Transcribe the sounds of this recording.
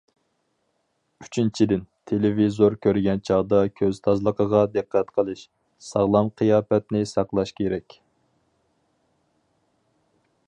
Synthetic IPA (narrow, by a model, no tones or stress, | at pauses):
y̥t͡ʃʰint͡ʃʰid̪ɪnt̪ʰelevizoɾkʲʰøɾɡʲɛnt͡ʃʰɑʁd̪ɑkʲʰøz̥t̪ʰɑzlˠəqʰəʁɑd̪ɨqʰːæt̪qʰəlˠɨʃ | sɑʁlˠɑmqʰijɑːpɛt̪nɪsɑqlˠɑʃkʲʰeɾɛkʲ